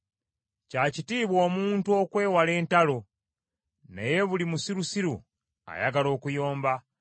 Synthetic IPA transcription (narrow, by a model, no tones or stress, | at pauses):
cacitiːβwo̞ːmuːntuo̞kwe̞ːwale̞ːntalo̞ | nḛje̞βulimusiɾusiɾṵ | a̰jaɡalo̞ːkujo̞ːmba